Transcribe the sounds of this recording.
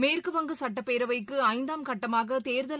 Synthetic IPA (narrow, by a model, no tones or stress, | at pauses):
meːrkɯʋɐŋɡɯsɐʈːɐpːeːɾɐʋɐɪkːɯɐɪnd̪aːmkɐʈːɐmaːɣɐt̪eːɾðɐl